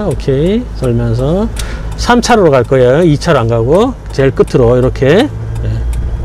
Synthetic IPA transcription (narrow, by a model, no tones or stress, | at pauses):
okʰesʰʌɭmjʌns̬ʰʌsʰamt͡ɕʰaɾoɾokaɭk͈ʌejoit͡ɕʰaɾaŋɡaɡo | t͡ɕeɭk͈ɯtʰːɯɾoiɾʌkʰe | je